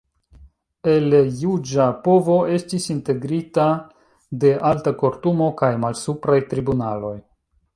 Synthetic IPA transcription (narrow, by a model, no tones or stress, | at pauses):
e̞lejud͡ʒapo̞vo̞ʔe̞stisinte̞ɡɾita | de̞ʔaltako̞ɾtumo̞kajmalsupɾajtɾibunalo̞j